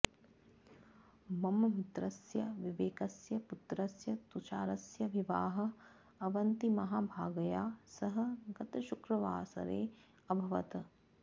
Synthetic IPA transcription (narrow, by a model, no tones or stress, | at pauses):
mɐmmit̪ɾɐsjɐʋiʋeːkɐsjɐput̪ɾɐsjɐt̪ut͡ʃaːɾɐsjɐʋiʋaːɦɐ̆ | ɐʋɐnt̪imɐɦaːbʱaːɡɐjaːsɐɦɐ̆ɡɐt̪ɐʃukɾɐʋaːsɐ̰ɾeː | ɐbʱɐʋɐ̰t̪ɐ